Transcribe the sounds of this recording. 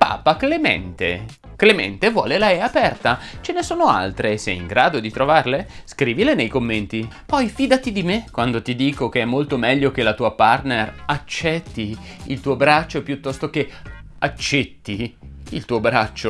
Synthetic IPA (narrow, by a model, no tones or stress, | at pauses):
pa̰ːpaklemɛ̰nt̪ḛ | klemɛ̰nt̪evwɔːlelaɛapɛrt̪at͡ʃenesoːnoa̰lt̪ɾesɛ̰iŋɡɾaːd̪od̪it̪ɾovarleskɾiːvilenejkomːent̪ipɔjfiːd̪at̪id̪imekːwand̪ot̪id̪iːkok̟eɛmːolt̪omɛʎːok̟elat̪uːaparnerat͡ʃːɛt̪ːiilt̪uːobɾat͡ʃːopjut̪ːɔst̪oke | at͡ʃːɛt̪ːiilt̪uːobɾat͡ʃːo